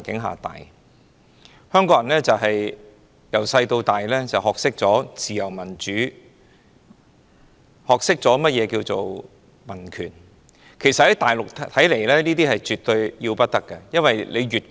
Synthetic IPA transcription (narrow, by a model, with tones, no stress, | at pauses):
nkɪ˨˥ŋɦa̰ː˨t̪a̰ː˨j | hœː˥ŋkɔː˧˥jɐ˨˩nlɛː˥t͡sɐ˨wɦɐ˨j | jɐ˨˩wsɐ˧jt̪o˧wt̪aː˨jlɛː˥t͡sɐ˨whɔː˨k̚sɪ˥k̚t͡sɔː˨˥t͡siː˨jɐ˨˩wmɐ˨˩nt͡ʃyː˨˥ | hɔː˨k̚sɪ˥k̚t͡sɔː˨˥mɐ˥t̚jɛː˨˧kiː˧wt͡so˨w | mɐ˨˩nkʰy̰ː˨˩n | kʰe˨˩sɐt̚hɐ˨˥jt̪aː˨jlʊ˨k̚t̪ʰɐ˨˥jle˨˩jlɛː˥niː˥t̪̬iː˥hɐ˨jt͡ʃyː˨t̪ɵ˧ɥji˧wpɐ˥t̚t̪ɐ˥kːɐ˧jɐ˥nwɐ˨jle˨˧jɥyː˨t̚